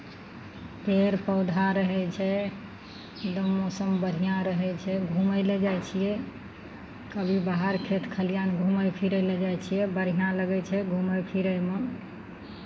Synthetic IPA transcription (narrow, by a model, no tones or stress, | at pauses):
peɾpəʊd̪ʱaɾəɦɛt͡ʃʰɛ | d̪əmːosəmbəɾ̤ijãɾəɦɛt͡ʃʰɛɡʱuməled͡ʒajt͡ʃʰijɛ | kəbʱibaɦaɾkʰet̪kʰəlijanɡʱuməjpʰiɾəled͡ʒajt͡ʃʰijɛbəɾ̤ijãləɡɛt͡ʃʰɛɡʱuməpʰiɾəjmə